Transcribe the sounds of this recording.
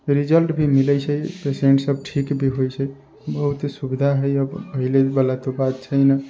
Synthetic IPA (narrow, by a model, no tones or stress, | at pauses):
ɾid͡ʒəlʈbʱimiləjt͡ʃʰəjpesieɳʈsəbʈʰikbʱiɦojt͡ʃʰə | bəɦut̪subid̪ʱaɦəjəbpəɦilebəlat̪obat̪̚t͡ʃʰəjnə